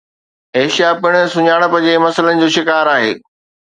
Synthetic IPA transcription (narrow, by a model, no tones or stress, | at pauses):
eːʃijapɪɽ̃ə̆sʊɲaːɽ̃ə̆pɐ̃d͡ʑemɐsələnɪ̆d͡ʑoːʃɪkaːɾaːɦḛː